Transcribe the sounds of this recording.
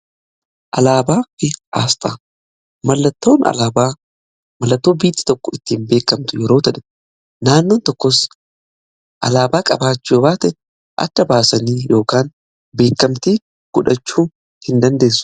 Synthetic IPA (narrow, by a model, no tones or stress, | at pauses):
ʔɐlaːbaːfɪʔaːst̪ʼaː | mɐlːɐt̪ːo̞ːnɐ̰laːba | mɐlːɐt̪ːo̞ːbiːt̪ːɪ̥t̪ɔkːɔɪt̪ːiːnbe̞ːkːɐmt̪ʊjɛɾo̞ːt̪ɐᶑɛ̥ | naːnːoːnt̪ɔkːɔs | ʔɐ̰laːbaːkʼɐbaːt͡ʃːubaːt̪ɛ | ʔɐ̰t̪ːɐbaːsɐniːjo̞ːkaːn | be̞ːkːɐmt̪iː | ɡ̥ʊᶑɐt͡ʃːuː | hɪnd̪ɐnd̪e̞ːsːʊ̥